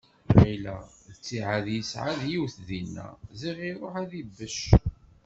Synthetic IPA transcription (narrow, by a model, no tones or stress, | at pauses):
væjlæðət͡sːiʕaðjəsʕaðjiwθðinːæ̰ziʁiɾˤoħæðibːəʃ